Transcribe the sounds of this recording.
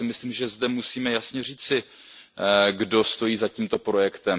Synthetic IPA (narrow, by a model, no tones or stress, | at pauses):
ɪmɪslimʒɛzdɛmusiːmɛjasɲɛr̝iːt͡sɪ | ɡdo̞st̪o̞jiːzaciːmt̪o̞pɾo̞jɛkt̪ɛm